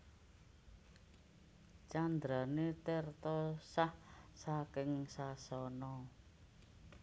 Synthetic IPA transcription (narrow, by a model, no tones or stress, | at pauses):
t͡ʃand̪ɾanet̪ert̪ɔsahsakɪŋsasɔnɔ